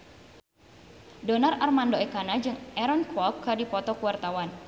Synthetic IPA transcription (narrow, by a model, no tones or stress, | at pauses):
dɔnararmandoɛkanad͡ʒɨŋɛɾɔnkɔkkːadipɔt̪ɔkuwart̪awan